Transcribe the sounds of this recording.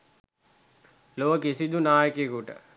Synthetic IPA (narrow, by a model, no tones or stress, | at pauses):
loʋəkesid̪unaːjəkekuʈə̰